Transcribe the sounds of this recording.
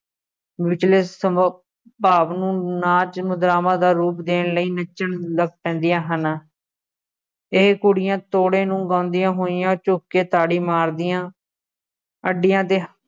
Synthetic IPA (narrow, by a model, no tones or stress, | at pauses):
ʋɪt͡ʃleːssə | paːʋnũːnaːt͡ʃmʊd̪ɾaːmãːd̪aːɾuːpd̪eːnləiːnət͡ʃːəɳləɡ̚pɛ̃ːnd̪ijãːɦən | eːkʊɽɪjãːt̪oːɽeːnũːɡãːnd̪ɪjãːɦoːɪjãːt͡ʃʊːkːeːt̪aːɽiːmaːɾd̪ɪjãː | əɖːɪjãːt̪eː